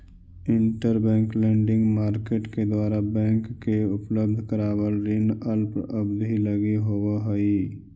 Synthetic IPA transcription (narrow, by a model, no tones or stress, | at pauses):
ɪ̃ɳʈəɾbɛ̃ːŋklɛ̃ːɳɖɪ̃ŋɡmaːɾkeːʈked̪waːɾabɛ̃ːŋkːeʊpləbd̪ʱkəɾaːʋəlɾɪnəlpəbb̪ʱiləɡiɦowaɦəi